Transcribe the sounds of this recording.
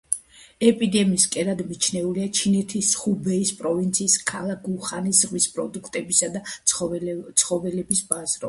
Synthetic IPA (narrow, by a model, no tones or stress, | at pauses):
ɛpʼid̪ɛmiːskʼɛɾad̪mit͡ʃʰnɛuliat͡ʃʰinɛt̪ʰisχubɛispʼɾɔvint̪sʰiːskʰalˠak̚ɡuχanisʁwispʼɾɔ̰d̪ukʰt̪ʼɛbisad̪a | t̪sʰχɔvɛlɛbisbazɾɔ